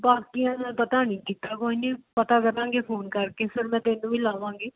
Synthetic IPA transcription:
baːkijãːnɛ̃ːpət̪aːnĩːkit̪aːkoːiːnĩːpət̪aːkəɾãːɡeːpʰoːnkəɾkeːsɪɾmɛ̃ːt̪eːnũːʋiːlaːʋãːŋɡeː

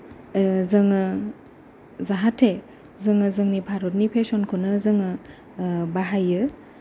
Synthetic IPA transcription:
zɯŋɯ | zaɦatʰːe | zɯŋɯzɯŋnibʰʱaɾot̚nipʰesɔnkʰonɯzɯŋɯ | baɦajɯ

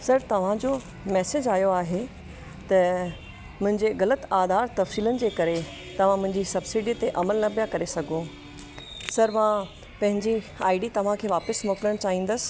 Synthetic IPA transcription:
sɐɾt̪ɐʋ̤ãd͡ʑo | mɛːsed͡ʑaːjoaːɦe | t̪ɐ | mʊ̃ɦɪ̃ɲd͡ʑeɣɐlət̪aːd̪ʱaːɾt̪ɐfsiːlənɪ̆d͡ʑeːkɐɾe | t̪ɐʋ̤ãmʊ̃ɦɪ̃ɲd͡ʑisɐbsiɖiːt̪eʔɐməlnɐpijakɐɾesɐɡʱõ | sɐɾmã | pɐ̃ɦɪ̃ɲd͡ʑiaːɪɖit̪ɐʋ̤ãkʰeːʋaːpəsmoːkɪləɽ̃t͡ɕaːɦĩːnd̪əsɪ̥̆

